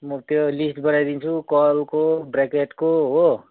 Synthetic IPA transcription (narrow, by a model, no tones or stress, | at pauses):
mʌt̪jolisʈbʌnajd̪int͡sʰukʌlkobrekeʈkoɦo